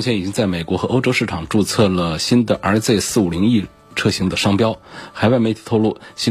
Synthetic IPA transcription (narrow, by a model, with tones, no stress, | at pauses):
t͡ɕʰɛ˧˥ni˨˩t͡ɕi˥ŋt͡sa˥˩ɪme˨˩ɪkwɔ˧˥xɤ˧˥ʔo˥ʊʈ͡ʂo˥ʊʂɻ̩˥˩ʈ͡ʂʰɑ˨˩ŋʈ͡ʂu˥˧t͡sʰɤ˥˩lə˩ɕi˥nd̪ə˨ʔə˞˧˥t͡se˥˧ɪsɹ̩˥˩u˨˩li˧˥ŋi˥˧ | ʈ͡ʂʰɤ˥˩ɕi˧˥ŋd̪ə˧ʂɑ˥ŋpjɑ˥ʊxa˧˥ɪwa˥˩ɪme˧˥ɪt̪ʰi˨˩t̪ʰʊlu˥˩ɕi˥